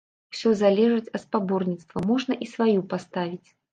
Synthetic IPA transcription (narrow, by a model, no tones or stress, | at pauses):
wsʲɔzalʲɛʐɨt͡sʲɐt̪spabɔrnʲit̪st̪vɐmɔʐnɐʔisvajupast̪avʲit͡sʲ